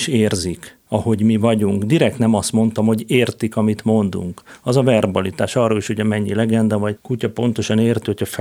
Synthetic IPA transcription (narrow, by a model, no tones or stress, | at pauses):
ʃeːrzik | ɒho̞ɟmivɒɟuŋkd̪iɾɛk̚t̪nɛmɒst̪mo̞nt̪ɒmho̞ɟeːrt̪ikɒmit̪mo̞nd̪ṵŋkɒzɒvɛrbɒlit̪aːʃɒrːoːliʃhoɟɒmɛɲːilɛɡɛnd̪ɛvɒɟkucɒpo̞n̪t̪o̞ʃɒneːrt̪ihocʰɒf